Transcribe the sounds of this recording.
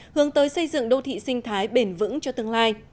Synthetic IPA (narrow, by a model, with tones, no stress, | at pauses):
hɨ˨˦əŋt̪əː˨˦jsə˧jzɨ̰˧˨ŋɗo˧t̪ʰḭ˧˨sï˧ŋ̟t̪ʰaː˨˦jɓe˧˩nvɨ̰˧˥ŋt͡ɕɔ˧t̪ɨ˧əŋlaː˧j